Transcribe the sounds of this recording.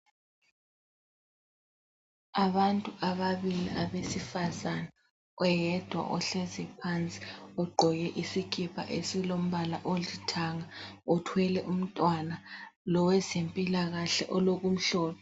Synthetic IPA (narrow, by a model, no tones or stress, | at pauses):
aβantʼuʔaβaβiliʔaβesifazana | ɔjɛd̥ʱwa̰ʔɔɬɛzɛpʰant͡sʼi̥ɔɡ͡ǃʱɔɣɛʔisikʰipʰa̰ʔesilom̩βalaʔolitʰaŋaɔtʰwɛlɛʔum̩tʼwanalɔwɛzempʼilaɣaɬɛ̰ʔɔloɣum̩ɬɔːβɔ